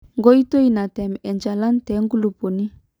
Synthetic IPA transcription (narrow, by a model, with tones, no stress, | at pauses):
ŋɡo˦i˦to˦i˦na˨tɛ˨mɛ˨nd͡ʒa˨la˦n˦tɛ˨˦ŋɡu˦lu˨pu˨ni˦